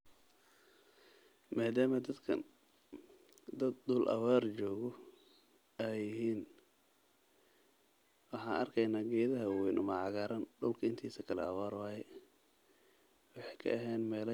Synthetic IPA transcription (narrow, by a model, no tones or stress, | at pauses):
maːd̪aːmɐd̪ɐd̪kʰɐ̰ | d̪ɐd̪d̪ʊlʔɐ̰waːrt͡ʃɔːɣɔ | ɛjɪɦiːn | wɑħɑːnʔɐ̰rkʰɛjnaːɡɛːðɐɦɐwwɛnʔʊmɑʕɑɣaːɾɐnɖʊlkʰɐɪnt̪ʰiːsɐkʰɐlɛ̰ɐwaːrwɑːjɛ | wɑħɛjkʰɐ̰ʔɐɦɛːnmɛːlɐ